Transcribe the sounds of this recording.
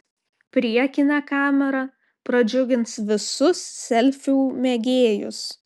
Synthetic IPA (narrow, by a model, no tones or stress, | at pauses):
pʲɾʲiɛkʲɪnɑkɑːmʲɛɾɐ | pɾɐd͡ʒʲʊɡʲɪnsʋʲɪsʊssʲɛlʲfʲuːmʲɛɡʲeːjʊ̰s